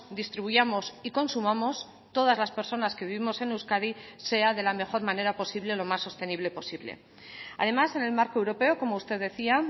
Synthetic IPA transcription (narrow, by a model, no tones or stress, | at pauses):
d̪ist̪ɾiβuʝamo̞siko̞nsumamo̞s | t̪o̞ð̞azlaspe̞ɾso̞naske̞βiβimo̞se̞newskaðise̞aðe̞lame̞xo̞ɾmane̞ɾapo̞siβle̞lo̞masːo̞st̪e̞niβle̞po̞siβlḛ | a̰ð̞e̞mase̞ne̞lmaɾkoewɾo̞pe̞oko̞moust̪e̞ððe̞θia